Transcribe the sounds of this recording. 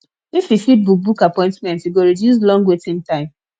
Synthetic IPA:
ififid̚buk̚bukapɔ̃ɪ̃ntmɛ̃ntiɡoɹidjus̬lɔ̃ŋɡwetĩntãɪ̃m

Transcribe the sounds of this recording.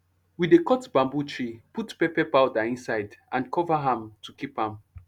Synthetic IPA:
widekɔtbãmbut͡ʃʰɹiputpɛpɛpaʊdɛĩnsaɪdʔãnkʰɔvaɦãmtʰukipãm

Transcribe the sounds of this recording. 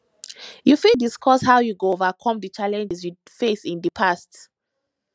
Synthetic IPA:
jufidiskʰɔshawjuɡoovakʰɔ̃mdət͡ʃalɛ̃nd͡ʒɛsju | fesĩndəpʰast

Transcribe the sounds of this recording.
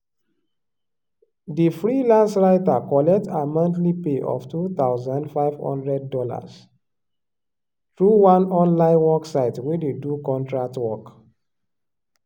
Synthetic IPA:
difɹilãnsɹaɪtakɔlɛk̚tamãntlipeʔɔ̰ftut̪aʊzãndfaɪvhɔ̰̃ndɹɛd̚ːɔla̰s | tɹuwãnɔ̃nlãɪ̃nwɔksaɪtwededukɔ̃ntɹak̚twɔk

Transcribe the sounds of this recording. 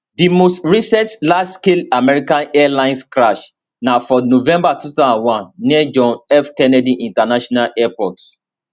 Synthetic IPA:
dimostɹisɛtlad͡ʒskelamɛɹikãnɛalãɪ̃nskɹaʃ | nafɔnovɛ̃mbatuθaãwãnːiɛd͡ʒɔ̃nɛfkɛnɛdiʔĩntanaʃɔnalʔɛpɔt

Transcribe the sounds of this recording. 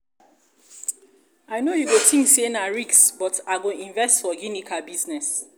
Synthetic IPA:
aɪnojuɡotʰĩŋsenaɹiksbɔtaɪɡoĩɱvɛstfɔjunikʰalbiznɛs

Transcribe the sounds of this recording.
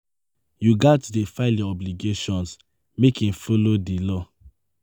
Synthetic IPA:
juɡatdefaɪlĩɔbliɡeʃɔ̃ns | mekĩmfolodilɔ

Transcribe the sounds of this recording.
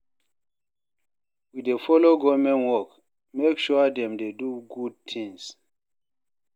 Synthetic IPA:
widefɔloɡɔmɛ̃nwɔk | mekʃuadɛ̃mdeduɡud̚t̪ʰĩŋs

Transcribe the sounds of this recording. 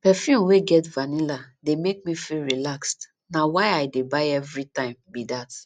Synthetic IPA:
pɛfjũmweɡɛtvanilademek̚mifilɹilakst | nawaɪaɪdebaɪɛvɹitãɪ̃mbidat

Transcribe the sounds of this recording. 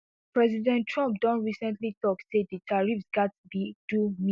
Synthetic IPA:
pɹɛzidɛ̃nʰɹãmp̚dɔ̃ntɹisɛ̃ntlitɔksedditʰaɹifsɡatditumĩ

